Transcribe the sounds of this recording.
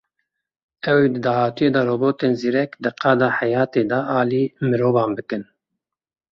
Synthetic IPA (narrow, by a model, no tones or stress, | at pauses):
ɛwed̪ɨd̪ɑːhɑːt̪ujeːd̪ɑroːboːt̪eːnziːɾɛkd̪ɨqʰɑːd̪ɑːħɛjɑːt̪eːd̪ɑʔɑːliːmɨɾoːvɑːnbɨkɨn